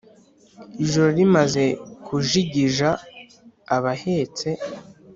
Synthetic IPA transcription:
iʒoɾo̞ɾimaze̞kʰuʒiɟiʒaː | βahe̞t͡se̞

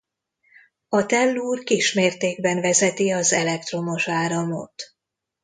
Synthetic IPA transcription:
ɒt̪ɛlːuːrkiʃmeːrt̪eːɡ̚bɛɱvɛzɛt̪iɒzɛlɛkt̪ro̞mo̞ʃaːɾɒmot̪

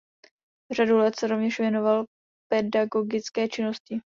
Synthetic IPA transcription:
r̝adulɛt̪sɛɾovɲɛʃvjɛno̞val | pɛdaɡoɡɪt͡skɛːt͡ʃɪno̞scɪ

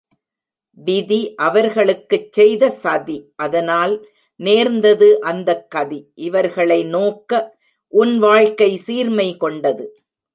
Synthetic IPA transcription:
bɪðiʔɐʋɐɾɣɐɭɯkːɯt͡ʃːɛjðɐsɐðiʔɐðɐnaːl | neːɾnd̪ɐðɯʔɐnd̪ɐkːɐðiʔɪʋɐɾɣɐɭɐɪnoːkːɐ | ʔʊnʋaːɻkɐɪsiːɾmɐɪkɔɳɖɐðɯ

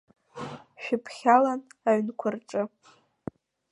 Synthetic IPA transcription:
ʃᶣɪpʰχʲalanaɥnkʷʰʊrʈ͡ʂʼɨ

